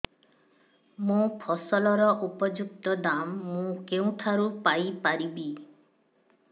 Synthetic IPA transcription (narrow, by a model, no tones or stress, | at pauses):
mũpʰɔsɔlɔɾɔʔupɔd͡ʒuk̚t̪ɔd̪amːũkeũʈ̪ʰaɾupajpaɾibi